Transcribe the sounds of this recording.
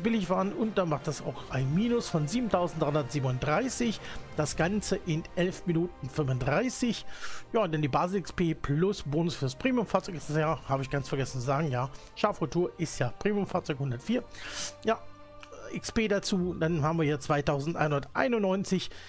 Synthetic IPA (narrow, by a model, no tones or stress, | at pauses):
b̥ɪlɪçv̥aːʁənʊnt̚d̥anmaχtd̥asa̰ʊxʔaɪnmiːnʊsfɔnziːbm̩tʰaʊzn̩td̥ʁaɪʊndɐtz̥iːbənʊntd̥ʁaɪsɪçd̥asɡ̥ant͡səʔɪnʔɛlfminuːtn̩fʏmvʊntdʁaɪsɪçjaːʊntd̥andiːbaːzl̩ɪkspeːpʰlʊsb̥oːnʊsfyːɐaspʁ̥eːmiʊmfaːɐt͡sɔʏkɪstasjaːhaːbəɪçɡ̥ant͡sfɛɐɡɛsn̩t͡suzaːɡŋ̩jaː | ʃaːfʁʊtʰuːɐʔɪstjaːpʁ̥eːmjʊmfaːɐt͡sɔʏkhʊndɐtfiːɐjaː | ʔɪkspeːdat͡suːd̥anhaːbm̩viːɐjaːt͡sv̥aɪtaʊzn̩tʔa̰ɪnhʊndɐtʔa̰ɪnʊnːɔʏnt͡sɪç